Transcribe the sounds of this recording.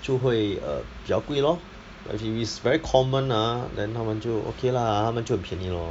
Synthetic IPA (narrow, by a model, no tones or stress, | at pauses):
t͡ʃʰuɦəjə̰b̥jaʊkwilɔ | ba̰ififisvɛɹikʰɔmə̃nadɛ̃nhamãnt͡ʃuʔo̰kʰelahamãnt͡ʃuəpʰinilɔ